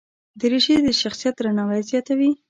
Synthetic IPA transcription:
d̪əɾiʃed̪əʃaxsijat̪ɾanawajzjɑt̪awi

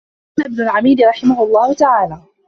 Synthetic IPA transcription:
naʔɪbnʊlʕamiːd̪ɾˤɑħɪmahʊlˤːɑːhʊt̪aʕaːlaː

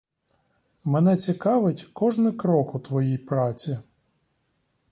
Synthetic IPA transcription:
menɛt͡sʲikɑʋɪtʲkɔʒnɪkɾɔkʊt̪ʋɔjijpɾɑt͡sʲi

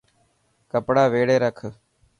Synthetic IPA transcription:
kəpɽaːʋeːɽeːɾəkʰ

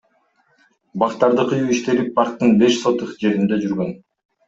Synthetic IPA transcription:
bɑqt̪ɑɾd̪ɯqʰɯjuiʃt̪e̞lip̚ːɑɾt̪t̪ːɯnbe̞ʃso̞t̪uqd͡ʒe̞ɾind̪e̞d͡ʒyɾɡøn

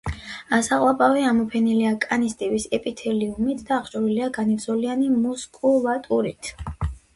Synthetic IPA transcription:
asaqʼwapʼaviamɔpʰɛniliakʼanist̪ʼivisɛpʼit̪ʰɛliumit̪ʰd̪aːχt͡ʃʼɔɾiliaɡanivsɔlianimuskʼuvat̪ʼuɾit̪ʰ

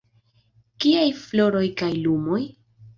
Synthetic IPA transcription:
kiajflo̞ɾo̞jkajlumo̞j

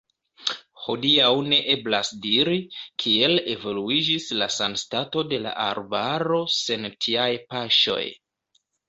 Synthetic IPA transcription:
ho̞diawne̞ʔe̞blasdiɾikʰie̞le̞vo̞luid͡ʒislasanstato̞de̞la̰ʔa̰ɾbaɾo̞se̞ntʰiajpaʃo̞̰j

